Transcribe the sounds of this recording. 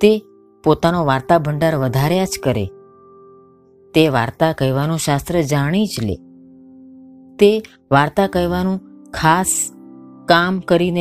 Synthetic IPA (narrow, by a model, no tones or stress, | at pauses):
t̪e | pot̪anoʋaɾt̪abʱəɳɖaɾʋəd̪ʱaɾjat͡ʃkəɾḛ | t̪eʋa̰ɾt̪akəjʋanũʃast̪ɾəd͡ʒaɽ̃it͡ʃlḛ | t̪e | ʋaɾt̪akəjʋanũkʰas | kamkəɾine